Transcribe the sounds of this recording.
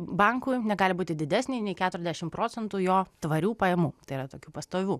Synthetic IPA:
bɑŋkʊɪnʲɛɡɑːlʲɪbuːt̪ʲɪd̪ʲɪd̪ʲæːsʲnʲɛɪnʲɛɪkʲæːt̪ʊɾʲɛzd̪ʲæɛʃʲɪmpɾoːsʲɛnt̪ujoːt̪ʋɐɾʲuːpɐjɛmuːt̪ɐɪiɾɐt̪oːkʲuːpɐst̪oːʋʲuː

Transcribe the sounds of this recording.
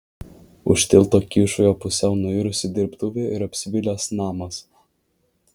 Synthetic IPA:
ʊ̰ʃʲt̪ʲɪlˠˑt̪oːkʲiːʃʊjoːpʊsʲɛʊnʊɪɾʊsʲɪd̪ʲɪɾpt̪ʊʋʲeɪɾɐpʲsʲɪʋʲɪlʲeːsnɑːmɐs

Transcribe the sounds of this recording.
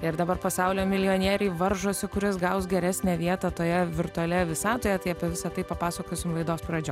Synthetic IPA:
ɪɾd̪ɐbɐɾpɐsɑʊlʲoːmʲɪlʲɪjoːnʲiɛːɾʲɛɪʋɐɾʒoːsʲɪkʊɾʲɪsɡɐʊsɡʲɛɾʲæsʲnʲæːʋʲiɛt̪ɐt̪oːjɛʋʲɪɾt̪ʊɐlʲɛʋʲɪsɑːt̪oːjɛt̪ɐɪɐpʲiɛʋʲɪsɐt̪ɐɪpɐpɑːsɐkoːsʲɪmlˠɐɪd̪oːspɾɐd͡ʒʲoː

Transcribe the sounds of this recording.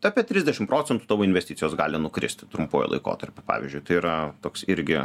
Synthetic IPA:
t̪ɐpʲiɛt̪ʲɾʲɪzʲdʲɛʃʲɪmpɾoːt͡sʲɛnt̪u̥t̪ɑːʋoːɪnʲʋʲɛsʲt̪ʲɪ̥tt͡sʲjoːsɡɑːlʲɪnʊkɾʲɪ̰sʲt̪ʲt̪ɾʊmpo̰ːjɛ̰lˠɐ̰ɪko̰ːt̪ɐɾʲpʲʊpɑ̰ːʋʲɪ̰zʲd͡ʒʲʊɪt̪ɐɪiːɾɐt̪oːksɪɾʲɡʲɪ

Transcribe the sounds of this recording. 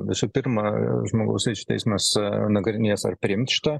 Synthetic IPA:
ʋʲɪsuːpʲɪɾmɐʒmoːɡɐ̰ʊsʲɾʲɛɪt͡ʃʲu̥tʲɛ̰ɪsmɐsnɐɡɾʲɪnʲiɛsɐ̰rpʲɾʲɪɪmʲt̪ʃʲɪ̥t̪ɐ

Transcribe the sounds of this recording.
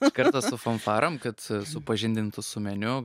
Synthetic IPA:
kɐɾt̪ɐːsʊfɐnfɑːɾʔɐmkɐt̪sʊpɐʒʲɪnʲd̪ʲɪnt̪ʊsʊmʲɛnʲʊ

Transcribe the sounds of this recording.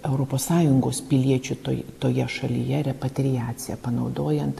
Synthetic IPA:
ɛʊɾoːpoːssɑːjʊŋɡoːspʲɪlʲiɛt͡ʃʲʊt̪o̰t̪oːjɛʃɐlʲɪ̰jɛɾʲɛpɐt̪ʲɾʲɪjæːt̪sʲɪjɛpɐnɐʊd̪oːjɛnt̪

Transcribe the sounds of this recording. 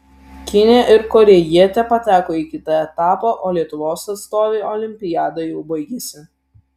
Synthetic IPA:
kʲɪnʲeʔɪɾkɔɾʲɛjiɛt̪ʲɛpɐt̪ʲæːkoːiːˑkʲɪt̪ɐɛt̪ɑːpɐʔoːlʲiɛt̪ʊʋoːsɐt̪st̪oːʋʲeːɔlʲɪmʲpʲɪjæːd̪ɐjɛʊbɐɪɡʲɛsʲɪ

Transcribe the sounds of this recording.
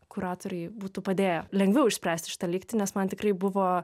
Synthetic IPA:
kʊɾɑːt̪oːɾʲɛɪbuːt̪uːpɐd̪ʲeːjɛlʲɛŋɡʋʲɛʊɪʃʲsʲpʲɾʲæːsʲt̪ʲɪ̥ʃʲɪ̥t̪ɐlʲiːkt̪ʲɪnʲɛsmɐnt̪ʲɪkrɐɪbʊʋoː

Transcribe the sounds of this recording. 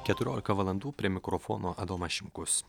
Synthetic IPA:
kʲɛt̪ʊɾʲoːlʲɪkɐʋɐlˠɐnd̪uːpʲɾʲiɛmʲɪkɾɔfɔ̰ːnoːʔɐd̪oːmɐʃʲɪmkʊs

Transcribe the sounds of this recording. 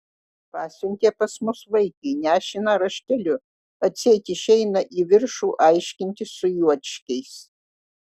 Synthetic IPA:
pɑːsʲʊŋʲkʲeːpɐsmʊsʋɐɪkɐɪnʲæːʃʲɪnɐɾɐʃʲkʲɛlʲʊ | ɐsʲeɛt̪ʲɪʃɛɪnɐʔiʋʲɪɾʃuːʔɐɪʃʲkʲɪnʲt̪ʲɪsʊjuɔt̪ʲʃʲkʲɛɪs

